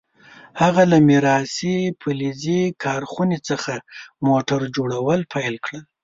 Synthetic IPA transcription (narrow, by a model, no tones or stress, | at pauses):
haɣalamɪɾɑsepʰulizikʰɑɾxunet͡səxamoʈaɾd͡ʒoɽawəlpʰajlkɽəl